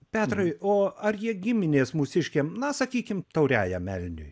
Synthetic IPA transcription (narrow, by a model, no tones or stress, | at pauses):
pʲæːt̪rɐɪoːɐrjiɛɡʲɪmʲɪnʲeːsmʊsʲɪʃʲkʲeːmnɐsɐkʲiːkʲɪmt̪ɐʊɾʲæːjɛmʲɛlʲnʲʊ̰j